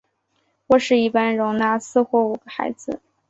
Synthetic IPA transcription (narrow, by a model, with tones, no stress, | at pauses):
xwɔ˥˧ʂɻ̩˥˧i˥˩pa˥nɻʊ˧˥ŋna˥sɹ̩˥˧xwɔ˥˩u˨˩ɡ̥ə˦xa̰˧˥ɪd͡zɹ̩˧